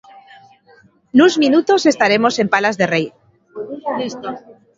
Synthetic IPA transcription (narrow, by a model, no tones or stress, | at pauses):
nuzminut̪ose̞st̪aɾe̞mo̞se̞mpalazðe̞rej